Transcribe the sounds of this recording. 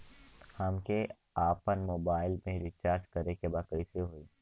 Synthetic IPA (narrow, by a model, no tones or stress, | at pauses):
hɐmke | aːpənmoːbaːɪlmẽɾɪt͡ʃaːɾd͡ʒkɐɾekebaːd̪̚kəisiɦoːiː